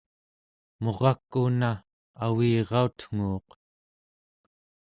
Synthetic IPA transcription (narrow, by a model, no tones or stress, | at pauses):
mo̞ʁɑkːuna | awiːʁɑut̪ŋ̥uːq